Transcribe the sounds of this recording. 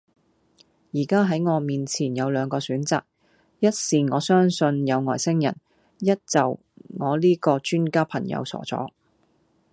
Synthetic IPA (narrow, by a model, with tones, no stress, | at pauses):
jiː˨˩kaː˥ɦɐ˨˥jŋɔː˨˧miː˨nt͡sʰiː˨˩njɐ˨˧wlœː˨˧ŋkɔː˧syː˨˥nt͡sa̰ː˨k̚ | jɐ˥t̚siː˨ŋɔː˨˧sœː˥ŋsɵ˧njɐ˨˧wŋɔː˨˩jsɪ˥ŋjɐ̰˨˩n | jɐ˥t̚t͡sɐ˨w | ŋɔː˨˧liː˥kɔː˧t͡ʃyː˥nkaː˥pʰɐ˨˩ŋjɐ̰˨˧wsɔ̰ː˨˩t͡sɔ̰ː˨˥